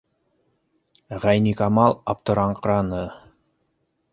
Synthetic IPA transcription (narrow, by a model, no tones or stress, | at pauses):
ʁæjnikɑmɑlˠɑp̚t̪ŏɾɑɴqɾɑnɤ